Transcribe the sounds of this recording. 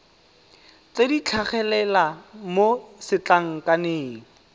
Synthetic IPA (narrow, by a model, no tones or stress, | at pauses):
t͡sedit͡ɬʰaχɛlɛlamosɪt͡ɬaŋ̩kʼaneːŋ̩